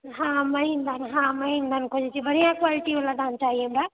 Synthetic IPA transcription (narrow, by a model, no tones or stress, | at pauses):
ɦãməɦind̪anɦãməɦind̪ankʰod͡ʒɛt͡ʃʰibəɾijãkwaliʈiʋeladant͡ʃaːɦijɛɦəmɾa